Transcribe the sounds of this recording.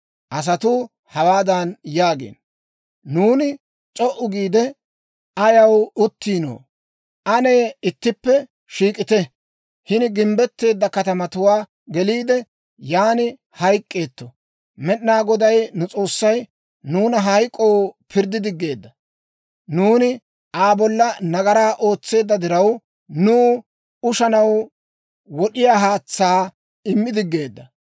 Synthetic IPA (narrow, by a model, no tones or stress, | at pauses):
ʔɐs̬ɐt̪ʊ | hɐwaːd̪ɐnjaːɡḛːn | nuːnɪ | t͡sʼɔʔʊɡiːd̪ɛ | ɐjɐwʊt̪ːiːno̰ː | ʔɐne̞ːɪt̪ːɪpːɛ | ʃiːkʼɪt̪ɛ | hɪnɪɡɪmbɛt̪ːe̞ːd̪ːɐkɐt̪ɐmɐt̪ʊwaː | ɡɛliːd̪ɛ | jaːnɪ | hɐjkʼːe̞ːt̪ːɔ | mɛɗnaːɡɔd̪ɐjnʊt͡sʼo̞ːsːɐj | nuːnɐɦɐjkʼːowpʰɪɾd̪ːɪd̪ɪɡːe̞ːd̪ːɐ | nuːnɪ | ʔaːbɔlːɐnɐɡɐɾaːʔo̞ːt͡sːe̞ːd̪ːɐd̪ɪɾɐw | nuː | ʊʃɐnɐw | wɔɗɪjaːɦaːt͡sːaː | ɪmːɪd̪ɪɡːe̞ːd̪ːɐ